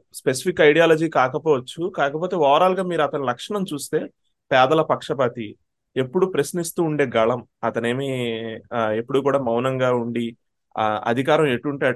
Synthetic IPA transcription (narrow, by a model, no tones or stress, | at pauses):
spesi̥pikːɐjɽijaːlɐd͡ʒiːkaːkɐpɔːʋɐt͡ʃːukaːkɐpo̞ːt̪e̞ːʋɔːɾaːluɡaːmiːɾuɐt̪ɐnilɐkʂɐɳɐmt͡ʃuːst̪e̞ː | pɛːd̪ɐlɐpɐkʂɐpaːt̪i | e̞pːuɽupɾɐsnist̪uːɳɖe̞ːɡɐɭɐmɐt̪ɐne̞ːmi | e̞pːuɽuːkuːɽaːmɐwnɐŋɡaːuɳɖi | ɐ̰d̪ʱikaːɾɐ̃meʈːuɳʈa